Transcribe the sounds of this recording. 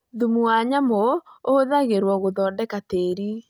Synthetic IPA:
ðumuwaɲamooðaɣeɾwɔɣoðɔːndɛkateɾi

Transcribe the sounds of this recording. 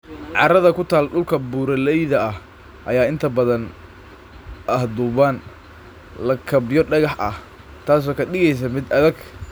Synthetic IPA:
ʕɑ̰ɾɐðɐkʰʊt̪ʰaːlɖʊlkʰɐbuːɾɐlɛjðɐɐh | ʔɐjaːɪnt̪ʰɐbɐðɐn | ʔɐhd̪uːβaːn | lɐkʰɐbɪjɔɖɐɣɑħʔɐ̰h | t̪ʰaːs̬ɔːkʰɐɗɪɣɛjs̬ɐmɪd̪ɐðɐɡ

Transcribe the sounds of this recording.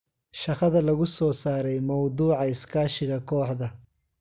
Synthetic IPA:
ʃɑqɐðɐlɐɣʊsɔːsaːɾɛjmɐwd̪uːʕɑɪskʰaːʃɪɣɐkʰɔːħd̪ɐ

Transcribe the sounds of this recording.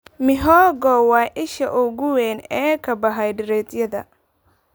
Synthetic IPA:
mɪɦɔːɡɔːwɑːʔɪʃɐʔʊɣʊwɛːnɛːkʰɐbɐɦɐjɖɪɾɛːt̪jɐðɐ̰

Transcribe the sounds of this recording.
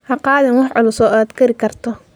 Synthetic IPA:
hɑqɑːðɛnwɑħʕʊlʊsɔːʔaːd̪kʰɐɾɪkʰɐrt̪ʰɔ

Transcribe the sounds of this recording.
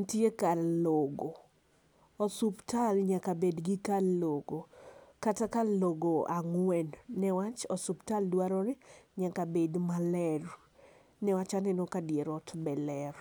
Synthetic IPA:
ntjekaloɡo | ɔsuptalɲakabedɡɪkaloɡokatakaloɡoaŋwɛnːɛwat͡ʃɔsuptaldwaɾɔɾɛɲakabedmalɛr | nɛwat͡ʃanɛnokadjeɾɔtbɛlɛɾ

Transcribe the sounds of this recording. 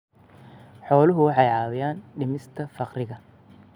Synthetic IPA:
ħɔːlʊɦʊwɑħɑjʕɑːwɪjaːnɖɪmɪst̪ʰɐfɑqrɪɣɐ

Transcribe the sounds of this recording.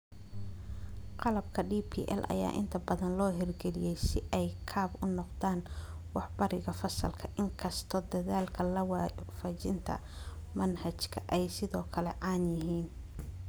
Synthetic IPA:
qɑlɐb̚kʰɐɖiːpʰḭːʔɛ̰lʔɐ̰ja̰ːʔɪ̰nt̪ʰɐbɐðɐnlɔːɦɪrɡɛlɪjɛjsɪʔɛjkʰaːbʊnɔqðaːnwɑħbɐɾɪɣɐfɐsɐ̰lkʰɐʔɪŋkʰɐst̪ʰɔːd̪ɐðaːlkʰɐlɐwfɐt͡ʃɪnt̪ʰɐ̰mɐnhɐt͡ʃkʰɐʔɛjsɪðɔːkʰɐlɛʕɑːnjɪɦiːn

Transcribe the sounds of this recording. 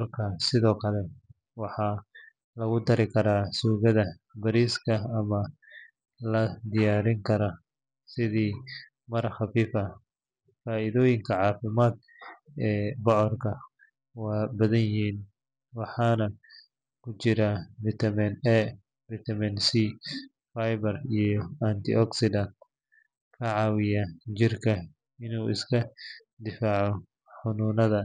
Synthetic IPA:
rkʰɐsɪðɔːkʰɐlɛ | wɑħɑː | lɐɣʊd̪ɐɾɪkʰɐɾaːsuːɣɐðɐ | bɐɾiːskʰɐɐmɐ | lɐd̪ɪjaːɾɪŋkʰɐɾɐ | sɪðiː | mɐrxɑfiːfɐ | faːɪðɔːjɪŋkʰɐʕɑːfɪmaːd̪̚ | ɛːbɔʕɔrkʰɐ | waːbɐðɐnjɪɦiːn | wɑħɑːnɐ | kʰʊt͡ʃɪɾaːbɪt̪ʰɐminɛ | bɪt̪ʰɐminsiː | fajbɐrijɔant̪ʰɪ̰ʔɔksɪd̪ɐn | kʰɐʕɑːwɪjat͡ʃɪrkʰɐ | ɪnuːʔɪ̰skʰɐ | d̪ɪfaːʕɔ | ħʊnuːnɐðɐ

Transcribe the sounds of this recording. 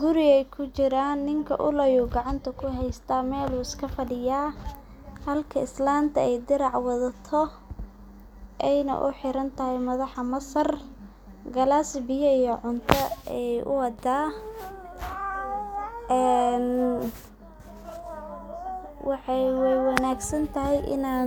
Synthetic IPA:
ɡʊɾɪɛjkʰʊt͡ʃɪɾaːnːɪŋkʰɐ̰ʔʊlɐjuːɡɑʕɑnt̪ʰɐkʰʊɦɛjst̪ʰɐmɛːluːɪskʰɐfɐɽɪjaː | hɐlkʰɐɪslaːnt̪ʰɐɛjd̪ɪɾɑʕwɑðɐt̪ʰɔ | ʔɛjnɐ̰ʔʊ̰ħɪɾɐnt̪ʰɐɦɪmɐðɑħɐmɐsɐr | ɡɐlasbɪjɐijɔʕʊnt̪ʰɐɛjʔʊ̰wɑd̪aː | ʔɛːn | wʔɑħɑjwwɑnaːɡsɐnt̪ʰɐɦɛjʔɪ̰naː

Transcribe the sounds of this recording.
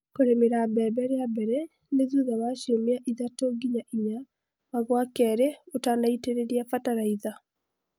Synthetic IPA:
koɾemeɾabɛbɛɾeabɛɾɛ | neðuðaβaɕiomiaʔiðatoɡiɲaʔiɲa | βaɣwakɛːɾeotaːndaiteɾeɾiafataɾaiða

